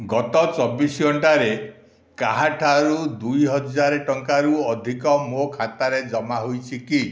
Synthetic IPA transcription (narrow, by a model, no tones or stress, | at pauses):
ɡɔt̪ɔt͡ʃɔbisɡʱɔɳʈaɾe | kaɦaʈʰaɾud̪ujɦɔd͡ʒaɾeʈɔŋkaɾuɔd̪ʱikɔmokʰat̪aɾed͡ʒɔmaɦojt͡ʃʰiki